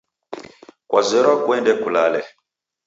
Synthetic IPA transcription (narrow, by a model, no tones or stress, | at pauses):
kwazɛɾɔkwɛ̃ndɛkulalɛ